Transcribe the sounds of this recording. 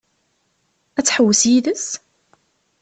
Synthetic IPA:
æt͡sːħəwːəsjiðəs

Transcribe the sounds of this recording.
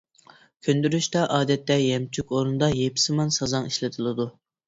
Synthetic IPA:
kʲʰønd̪yɾyʃt̪ɑʔɑːd̪ɛt̪ːɛjɛmt͡ʃʰykʲoɾunɨd̪ɑjepʰsɪmɑnsɑzɑŋiʃlɪt̪ʰɨlˠɨd̪u

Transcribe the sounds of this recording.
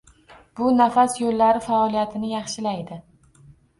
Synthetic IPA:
b̥ʊnafasjolːaɾɪfaɒlˠijat̪ʰɪnɪjɑχʃɪlajd̪ɪ

